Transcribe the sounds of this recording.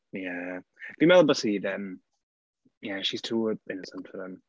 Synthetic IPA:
jæb̥imɛlˠəbəsiðəm | jæʃiz̥tʰuːɪnəsə̃nfəðə̃m

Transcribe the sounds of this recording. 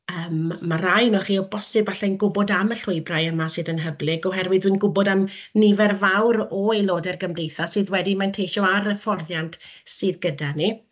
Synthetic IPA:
əːmːaɾajnɔχiːɔbɔsɨbaɬɛjnɡʊbɔdaməɬʊɨbrajəmasɨːðənɦəblˠɪɡɔɦɛrwɨðwiːnɡʊbɔdamnɪvɛrvawɾɔelˠoːdɛrɡəmdejθasɨːðwɛdimantʰejʃɔaɾəfɔrðjantʰsɨðɡədani

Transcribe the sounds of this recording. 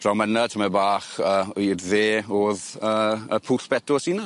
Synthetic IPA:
d̥rawmənətʰəmɛbaːχəːidðeːoːð | əəpʰuːɬb̥ɛdʊsina

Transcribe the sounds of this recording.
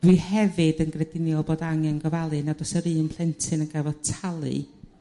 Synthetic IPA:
d̥wihɛvɨdənɡrɛdɪnjɔlˠboːdaŋɛnɡəvalˠɨnadɔsəɾɨːnpʰl̥ˠɛntʰɨnənɡavɔðtʰalˠɨ̰

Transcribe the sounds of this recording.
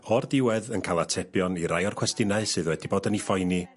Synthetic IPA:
ɔrdɪwɛðənkʰaːlˠatʰɛbjɔniɾajɔrkʰwɛstɪnaɨsɨðwɛdiboːdənifɔjni

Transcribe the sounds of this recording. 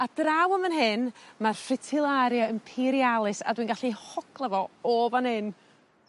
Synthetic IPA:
ad̥rawəmənɦɨnmarfɪtʰɪlˠaɾjaəmpʰiɾialˠɨsa̰dwinɡaɬihɔkʰlˠəvɔɔːvanhɨn

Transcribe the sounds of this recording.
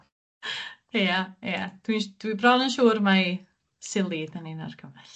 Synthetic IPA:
aejad̥wind̥wibrɔnənʃuːrmaj | sɪlˠidanina̰rkʰəmaɬ

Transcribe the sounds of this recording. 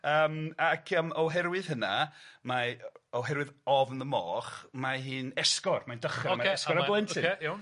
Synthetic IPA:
əːmakʰəːmɔwɦɛɾwɨðhənamaɔwɦɛɾwɨðɔvnəmɔ̰ːχmaɦiːnɛskɔrmandəχamaɛskɔɾablˠɛntʰɪj

